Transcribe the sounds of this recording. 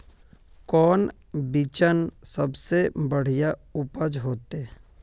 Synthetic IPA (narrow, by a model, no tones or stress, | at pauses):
kɔːn | bit͡ʃənsəbsebəɽ̤ijaʊpəd͡ʒɦoːt̪e